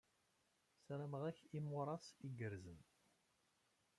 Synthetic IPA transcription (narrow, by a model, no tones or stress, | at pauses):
sɾæməʁæçimʊɾˤɑsiɡəɾzən